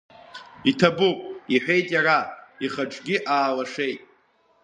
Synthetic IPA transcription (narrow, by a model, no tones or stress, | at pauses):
itʰabupʷʼiħʷᶣe̞jtʼjaraiχaʈ͡ʂʼɡʲiʔaːlaʂe̞jtʼ